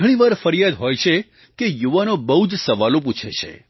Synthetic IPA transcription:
əɽ̃iʋaɾfəɾijad̪ɦojt͡ʃʰe | kejuʋanobəɦud͡ʒsəʋalop̬ut͡ʃʰḛt͡ʃʰḛ

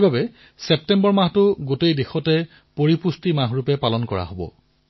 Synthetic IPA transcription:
bʱabɛ | sɛp̚tɛmbɔɹmahtʊɡotejdexɔtɛ | poɹipustimaɦɹupɛpalɔnkɔɹa̰ɦobɔ̰

